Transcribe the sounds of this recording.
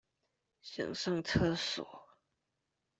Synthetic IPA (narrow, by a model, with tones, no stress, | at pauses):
ɕjɑ̰˨˩ŋʂɤ˥˧ŋt͡sʰɤ˥sɔ̰˨˩˦